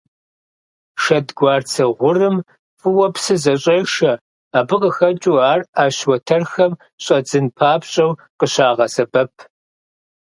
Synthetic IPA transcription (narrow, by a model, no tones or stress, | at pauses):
ʃɐdɡʷɑːrt͡sʰɐʁʷʊrɨm | fʼɨwɐpsɨzɐɕʼejʂɐ | aːbɨqəxɐt͡ʃʼuaːraːɕwɐtʰɐrxɐm | ɕʼɐd͡zɨnpʰaːpɕʼɐw | qəɕaːʁɐsɐbɐpʰ